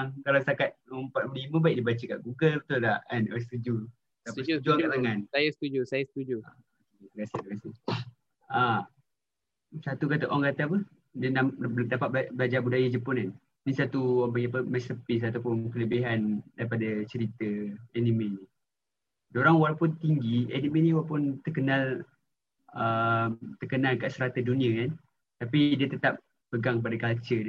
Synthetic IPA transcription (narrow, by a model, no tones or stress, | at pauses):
ŋkalawst̪akat̪̚əmpat̪̚pəlimə̃baik̚dibat͡ʃəkaʔɡuɡəlt̪ulaanəst̪ud͡ʒu | t̪apisud͡ʒuaŋkat̪aŋanajast̪ud͡ʒusajəst̪ud͡ʒua | kedəɡasid̪əkasi | a | sat̪ukat̪əʔɔŋkat̪aapə | dənamdapat̪̚bbəlad͡ʒabudajad͡ʒəpɔnan | nisat̪uwapaɡiapəmɛsəpɪs̬at̪awpʊnkələbiɦandaɾipadat͡ʃəɾit̪əɛnimeni | doɾaŋwalapʊnt̪iŋɡiɛ̰nimẽnĩwalpʊnt̪ərkənal | əmt̪ərkənalkaʔsəɾat̪ədunĩakan | t̪apidiət̪ət̪ap̚ | pəɡaŋp̬adakalt͡ʃə